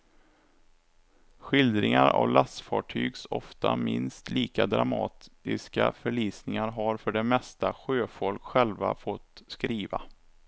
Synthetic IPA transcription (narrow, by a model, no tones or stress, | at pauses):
ɧɪld̪ɾɪŋaɾa̰vlasfɑːʈʰyːɡsɔft̪amɪnst̪liːkad̪ɾamɑːt̪ɪskafœɭiːsnɪŋaɾɦaɾfœɖɛmɛst̪aɧøːfɔlkɧɛlvafɔt̪ːskɾiːva